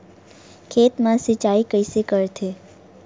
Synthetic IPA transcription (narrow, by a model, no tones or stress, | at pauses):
kʰet̪mãsit͡ʃaikəisekəɾt̪ʰe